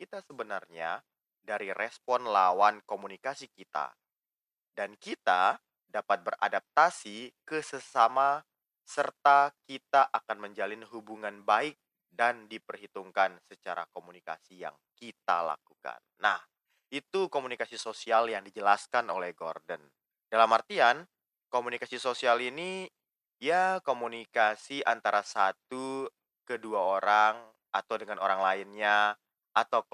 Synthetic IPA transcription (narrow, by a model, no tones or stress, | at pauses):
kit̪asəbənarɲa | daɾiɾɛspɔnlawankomunikasikit̪a̰ | dankit̪a | dapat̪̚bəra̰dap̚t̪asikəsəsama | sərt̪akit̪aʔakanməɲd͡ʒalɪnɦubuŋanbaɪk̚ | dandipərɦit̪uŋkansət͡ʃaɾa̰komunika̰sija̰ŋkit̪a̰la̰kuka̰nːah | it̪ukomunikasisosialjaŋdid͡ʒəlaskanolɛhɡordən | d̥alamart̪ian | komunikasisosialini | jakomunikasiʔant̪aɾasat̪u | kəduaoɾaŋ | at̪awdəŋanoɾaŋlaɪnɲa | at̪a